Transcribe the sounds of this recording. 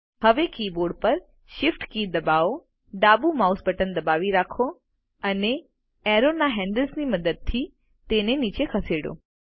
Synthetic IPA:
həʋekiboɾɖpəɾ | ʃɪfʈkid̪əbao | ɖabumausbəʈənd̪əbaʋiɾakʰo | əne | ɛɾonaɦɛ̃ɳɖəlsniməd̪əd̪̚t̪ʰi | t̪enenit͡ʃekʰəseɽo̰

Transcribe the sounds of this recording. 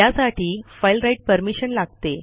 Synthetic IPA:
asaʈiːfajlɾaiʈ̚pəɾmiɕənlaɡ̚t̪e

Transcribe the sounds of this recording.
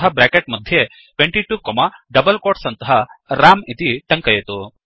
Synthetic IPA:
ɦɐbɾaːkeʈ̚mɐd̪ʱje | ʈweɳʈiʈuːkomɐɖɐbɐlkoːʈsɐnt̪ɐɦɐɾaːmit̪iʈ̪ɐŋkɐjɐt̪u

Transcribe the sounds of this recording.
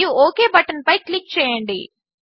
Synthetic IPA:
juoːkeːbɐʈɐnpɐjklik̚t͡ʃɛːjɐɳɖḭ

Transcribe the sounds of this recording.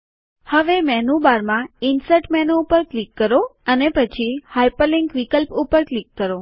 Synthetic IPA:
həʋemɛnũbaɾmãinsəʈmɛnoupəɾklikːəɾoənepət͡ʃʰihajpəliŋkʋikəlpupəɾklikːəɾo

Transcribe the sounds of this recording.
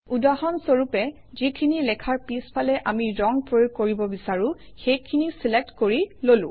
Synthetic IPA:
udahɔnsoɹupɛ | zikʰinilɛkʰaɹpispʰalɛʔamiɹɔŋpɹojokoɹibɔbisaɹũ | xejkʰinisilek̚tkoɹilolʊ̰̃

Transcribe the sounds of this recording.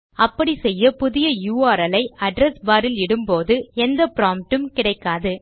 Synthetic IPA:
ɐpːɐɽisɛjːɐpʊðɪjɐjuːaːɾɐlɐɪɐɖɾɛsbaːɾɪlɪɽɯmpoːðɯɛnd̪ɐpɾaːmʈɯmkɪɽɐɪkːaːðɯ

